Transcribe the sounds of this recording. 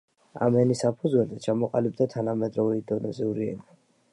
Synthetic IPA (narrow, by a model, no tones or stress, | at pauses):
a̰mɛnisapʰud̪zwɛlzɛt͡ʃʰamɔqʼalib̚d̪at̪ʰanamɛd̪ɾɔvɛid̪ɔnɔziuɾiɛ̰na